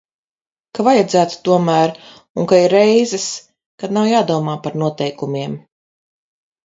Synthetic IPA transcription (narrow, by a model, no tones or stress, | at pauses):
kavajad̪zæːt̪u̥t̪uɔmæːɾ | uŋkaiɾɛjzɛs | kad̪nawjaːd̪uɔmaːpaɾnuɔt̪ɛjkumʲiɛm